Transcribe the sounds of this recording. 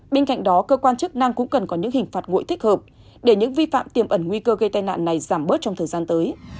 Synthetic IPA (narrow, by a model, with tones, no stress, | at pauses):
ɓe˧nka̰˧˨jŋ̟ɗɔ˨˦kəː˧kwaː˧nt͡ɕɨ˦˥k̚na˧ŋkʊ̰˧˥ŋ͡mkə˨˩nkɔ˨˦ɲɨ̰˧˥ŋhï˨˩ŋ̟faː˨˩t̚ŋo̰˧˨jt̪i˦˥həː˨˩p̚ | ɗe˧˩ɲɨ̰˧˥ŋvi˧fa̰ː˧˨mt̪i˨˩əmʔə˧˩nŋwi˧kəː˧ɣə˧jt̪a˧jna̰ː˧˨nːa˨˩jzaː˧˩mɓəː˦˥t̚t͡ɕɔ˧wŋ͡mt̪ʰəː˨˩zaː˧nt̪əː˨˦j